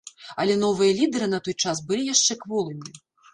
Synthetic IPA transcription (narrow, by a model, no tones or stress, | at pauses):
ɐlʲɛn̪ɔvɨjɐlʲid̪ɛɾɨnɐt̪ɔjt͡ʂasbɨlʲijaʂt͡ʂɛkvɔlˠɨmʲi